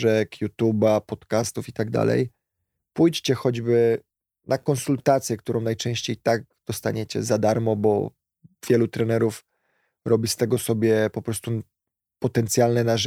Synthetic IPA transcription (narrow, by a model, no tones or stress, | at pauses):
ʐɛkʰjut̪ubapɔt̪kast̪ufit̪aɡd̪a̰lɛ̰j | pujt͡ɕt͡ɕɛxɔd͡ʑbɘ | nʔakɔnsult̪at̪sʲjɛk̚t̪uɾʔɔ̃w̃najt͡ʂɛ̃ɕt͡ɕejt̪aɡ̚d̪̥ɔst̪a̰ɲɛt͡ɕɛ̰zad̪aɾmɔbɔ̰ | vʲjɛlut̪ɾɛnɛɾuf | ɾɔbʲist̪ɛɡɔsɔbʲjɛpɔpɾɔst̪u | pɔt̪ɛnt̪sʲjalnɛnaʐ